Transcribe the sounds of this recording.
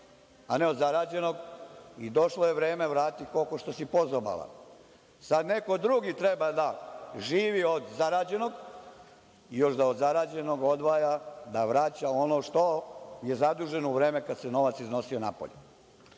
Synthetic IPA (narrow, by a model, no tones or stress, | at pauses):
ane̞od̪zaɾaːd͡ʑe̞no̞ɡid̪o̞ʃlˠoje̞ʋɾe̞ːmeʋɾaːt̪iko̞lko̞ʃt̪o̞sipozoba̰la̰ | sad̪ne̞ko̞d̪ɾuɡit̪ɾebad̪aʒiːʋiod̪zaɾaːd͡ʑe̞no̞ɡ | ijo̞ʃd̪aod̪zaɾaːd͡ʑe̞no̞ɡo̞d̪ʋaːjad̪aʋɾat͡ɕao̞no̞ʃt̪o̞je̞zad̪uːʒe̞nouʋɾe̞ːme̞kad̪seno̞ʋat̪sizno̞sio̞na̰po̰ʎu